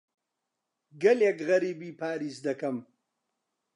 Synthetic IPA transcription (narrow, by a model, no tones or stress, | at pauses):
ɡɐlekɣɐɾiːbiːpʰaːɾiːsd̪ɐkɐm